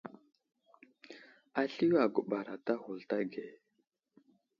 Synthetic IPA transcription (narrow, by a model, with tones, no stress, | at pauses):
a˦ɬi˦wa˨ɡu˨ɓa˨ɾa˨ta˦hu˨lta˦ɡe˨